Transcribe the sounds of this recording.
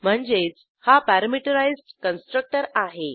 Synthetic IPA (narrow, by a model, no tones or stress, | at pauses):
m̤əɳd͡ʑet͡s | hapæɾəmiʈəɾajzʈkənsʈɾək̚ʈəɾaɦe